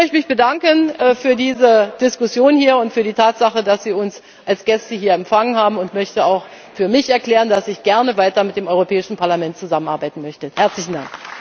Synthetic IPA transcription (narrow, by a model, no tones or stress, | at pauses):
mœçtəmɪçb̥ədaŋkənɛːfyːɐdiːzəd̥ɪskʊsjoːnhiːɐʊntfyːɐdiːtʰaːtz̥aχədasz̥iːʊns | ʔalsɡ̥ɛstəhiːɐɛmfaŋənɦaːbm̩ʊntmœçtəaʊx | fyːɐmɪçɛɐkl̥ɛːʁəndasɪçɡ̥ɛɐnəvaɪtɐmɪt̚d̥eːmʔɔʏʁopʰɛːɪʃn̩pʰaɐlamɛnt̚t͡suzamənʔaɐbaɪtn̩mœçtəhɛɐt͡slɪçn̩d̥a̰ŋk